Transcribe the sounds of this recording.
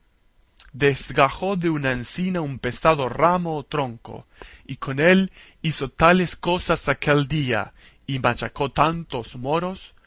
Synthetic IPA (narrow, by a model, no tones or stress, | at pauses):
d̪ezɣaxoðeunaensinaumpesaðoramoːt̪ɾoŋko̰iko̞nel | iso̞t̪alesko̞sasakeld̪ia̰ | imat͡ʃako̞t̪ant̪ozmoɾo̞s